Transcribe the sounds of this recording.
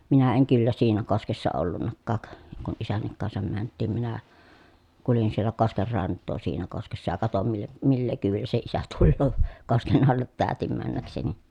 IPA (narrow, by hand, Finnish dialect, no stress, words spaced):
minæ eŋ kylːæ siːnæ koskesːɑ olːunːɑkːɑːk kun isænːik kɑnsɑm mæntˑiːm minæ kulin sielˑæ kosker rɑntˑoː siːnæ koskesːɑ jɑ kɑtom mil milːeː kyːʋilːæ se isæ tulːoː kosken ɑlːet tæːtim mænːækseni